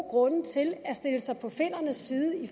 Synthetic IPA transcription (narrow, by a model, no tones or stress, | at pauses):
ɡ̥ʁɔ̽nt͡sʰe̝læsd̥e̝ləsɑ̈ɪpʰɒ̽fe̝n̰ɐnəsːiːðˠəi